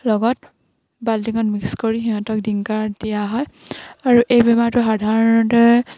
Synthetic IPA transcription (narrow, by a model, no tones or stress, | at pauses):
lɔɡɔt | baldiŋɔnmikskoɹixiɦɔ̃tɔk̚diŋkaɹdijaɦɔjaɹuʔejbɛmatʊxadʱaɹɔnɔtɛ